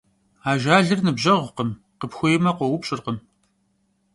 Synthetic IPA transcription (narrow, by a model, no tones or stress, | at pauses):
aːʒaːɮɨrnɨbʑɐʁʷʊqəm | qəpxʷʊjmɐqʷɔwʊpɕʼɪrqəm